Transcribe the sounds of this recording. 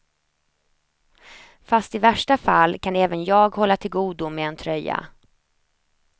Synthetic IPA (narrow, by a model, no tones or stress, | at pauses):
fast̪ɪvæʂʈafalːkʰanɛːvənjɑːɡhɔlːat̪ʰɪlɡuːd̪ʊmɛɛnt̪ʰɾœjːa̰